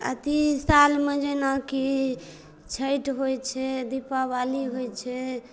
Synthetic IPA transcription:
ə̰t̪isalmed͡ʒenaki | t͡ʃʰəjʈɦojt͡ʃʰɛd̪ipabaliɦojt͡ʃʰɛ

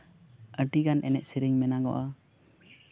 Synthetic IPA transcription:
əʈiɡanʔɛnɛʔ̚siɾiŋmɛnaɡɔ̰ʔa

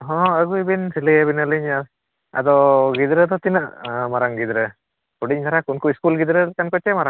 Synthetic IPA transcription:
ɦɔ̃əɡuibinsilijabinəliɲa | a̰d̪ɔɡid̪ɾət̪ɔt̪inəʔmaɾaŋɡid̪ɾə | kuɖiɲt̪aɾakunkuiskulɡid̪ɾəlkankɔt͡ʃɛmaɾaŋ

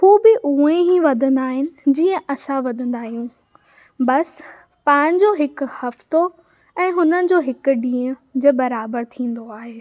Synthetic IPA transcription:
huːbɪʔuːẽɦiʋɐd̪ʱə̃nd̪aːɦɪnɪ̆d͡ʑiːə̃ʔɐsãʋɐd̪ʱə̃nd̪aːɦijũ | bɐs | pãːɪ̃ɲd͡ʑoɦɪkʊ̆hɐft̪o | ɛ̃ːɦʊnənɪ̆d͡ʑoːɦɪkʊ̆ɖĩːə̃d͡ʑeːbɐɾaːbəɾt̪ʰĩːn̆d̪oaːɦeː

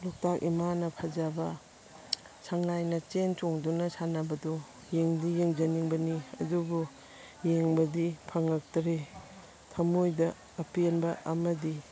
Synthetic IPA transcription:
luk̚takʔḭmanɐpʰɐzabɐ | saŋajnɐt͡ʃent͡ʃoŋdunɐsanɐbɐdu | jeŋdijeŋd͡ʒɐniŋbɐniɐ̰dubu | jeŋbɐdipʰɐŋɐk̚tɾe | tʰɐmojdɐː | pienbɐʔɐmɐdi

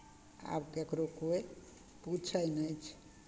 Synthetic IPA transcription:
a̰bkekɾokoe | put͡ʃʰəjnət͡ʃʰ

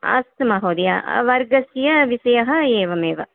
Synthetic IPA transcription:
ɐ̰st̪mɐɦoːd̪ija̰ʋɐɾɡɐsjɐʋisɐjɐɦɐeːʋɐmeːʋɐ̰

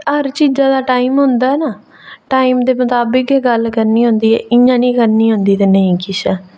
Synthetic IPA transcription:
ɦəɾt͡ʃiːzãːd̪aːʈaːimɦʊ̃nd̪aːɛːnaː | ʈaːiːmd̪eːmʊt̪aːbəkɛːɡəlkəɾniːɦʊ̃nd̪iːɛ̰ːʔɪjãːnĩːkəɾniːɦʊ̃nd̪iːt̪enə̃ĩːkɪsɛː

